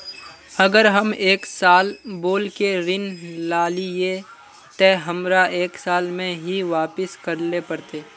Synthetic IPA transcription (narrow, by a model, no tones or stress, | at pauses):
ɐɡəɾɦɐmeːksaːlboːlkeɾɪnlaːlie | t̪ɛːɦɐmɾaʔeːksaːlmẽɦiʋaːpɪskəɾlepɐɾt̪eː